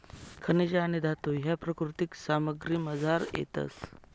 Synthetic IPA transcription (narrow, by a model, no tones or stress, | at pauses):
kʰənid͡ʑaːñid̪ʱat̪oɦjapɾəkɾut̪iksaməɡɾiːməd͡zʱaɾjḛt̪ə̰s